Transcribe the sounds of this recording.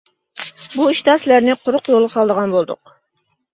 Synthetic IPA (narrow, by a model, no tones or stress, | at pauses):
buiʃt̪ɑslæɾnɪqʰʊɾʊqjolˠʁɑsɑlˠd̪əʁɑnbolˠd̪ʊ̰q